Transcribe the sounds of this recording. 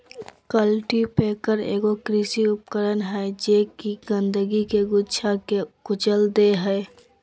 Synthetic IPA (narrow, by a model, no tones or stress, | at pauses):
kəlʈipeːkəɾḛːɡokɾɪsiʊpkəɾənɦɛd͡ʒekiɡə̃nd̪əɡikeɡʊʃʰakekʊt͡ʃəld̪eɦɛː